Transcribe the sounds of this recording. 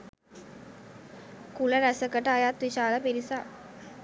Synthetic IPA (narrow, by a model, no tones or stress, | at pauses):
kuləɾæsəkəʈəajat̪ʋiɕaːləpiɾisa